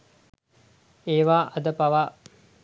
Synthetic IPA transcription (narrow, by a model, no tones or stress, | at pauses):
eːʋaːʔɐd̪əpaʋa